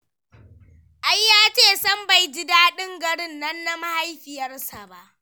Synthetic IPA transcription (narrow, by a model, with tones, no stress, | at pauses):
ʔa˦jːaː˦t͡ʃeː˦˨sɐ˦mba˨jd͡ʒɪ˦daː˦ɗɪ˦ŋɡɐ˨ɽɪ˦nːɐ˦nːa˦ma˦ha˦jɸɪ˨jɐ˦rsa˨ba˦ʔ